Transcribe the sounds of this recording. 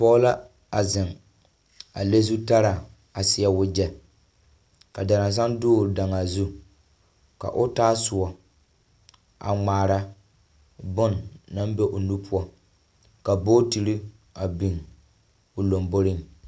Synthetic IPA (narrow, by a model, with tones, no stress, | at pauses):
pɔː˦la˦ | a˨zɪ˨ŋ | a˨le˦zu˦ta˦ɾa˨ | a˨sɪ˦a˦wʊ˦d͡ʒɛ˨ | ka˨da˨ɾa˨ns̬a˦ŋdʊː˦˨da˨ŋa˨zu˦ | ka̰˨ʔʊ˦taː˦sʊ˨ɔ˨ | ʔa̰˨ŋ͡maː˨ɾa˦ | bʊ˦nːa˦mbɛ˦ʔo˨nu˦pʰʊ˦ɔ˦ | ka˨bo˦ti˨ɾi˦ | a˨bi˨ŋ | ʊ˨lo˨mbo˦ɾɪ˦n˨